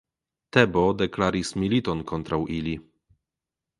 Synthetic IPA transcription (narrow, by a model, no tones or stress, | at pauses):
tebodeklaɾismilit̪onko̞nt̪ɾawʔili